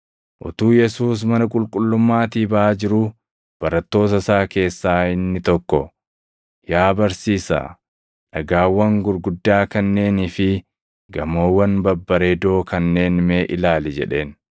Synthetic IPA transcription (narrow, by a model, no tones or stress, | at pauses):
ʔʊ̰t̪uːjɛsuːs̬mɐnɐkʼʊlkʼʊlːʊmːaːt̪iːbɐʔaːd͡ʒɪɾʊ | b̥ɐɾɐt̪ːo̞ːs̬ɐsaːke̞ːsːaːɪnːɪt̪ɔkːɔ | jaːbɐɾsiːsa̰ː | ᶑɐɡaːwːɐŋɡʊɾɡʊd̪ːaːkɐnːe̞ːniːfɪ | ɡɐmo̞ːwːɐnbɐbːɐɾeːd̪o̞ːkɐnːe̞ːnmeːʔɪlaːlɪd͡ʒɛ̰ᶑe̞ːn